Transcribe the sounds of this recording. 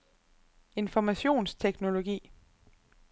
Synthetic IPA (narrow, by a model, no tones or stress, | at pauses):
e̝nfɒmæɕo̝̰ːnst͡sʰeɡ̥no̝lo̝ɡ̥ḭː